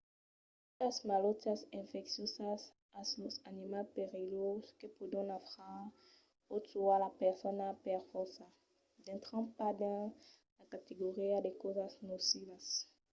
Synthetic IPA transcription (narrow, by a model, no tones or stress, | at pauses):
utasmalot̪jasɛ̃fɛksjosas | aslosanimalpeʁiloskepud̪ɔ̃nafʁa | ot̪ualapɛʁsɔnapɛʁfɔsa | d̪ɛ̃nt̪χɑ̃pad̪ɛ̃ | lakat̪eɡoʁiad̪ekozasnosivas